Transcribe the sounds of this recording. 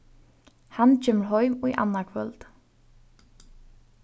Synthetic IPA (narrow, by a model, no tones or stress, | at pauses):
hant͡ʃɛːmlɦɔʏmɔḭʔa̰nːakʰvœ̰lt̪